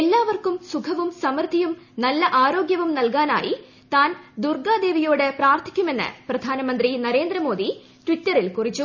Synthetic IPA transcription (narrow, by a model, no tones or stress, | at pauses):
e̞lːaːʋɐrkumsukʰɐʋumsɐmɐrt̪ːijumnɐlːɐʔaːɾo̞ːɡjɐʋumnɐlkaːna̰ːji | t̪aːnd̪urɡaːd̪e̞ːʋijoːɽepraːrt̪ʰi̥kʲːume̞nːɨ̰prɐd̪ʱaːnɐmɐnd̪rinɐɾe̞ːnd̪ɾɐmo̞ːd̪i | tʋitːɐrilkurit͡ɕːu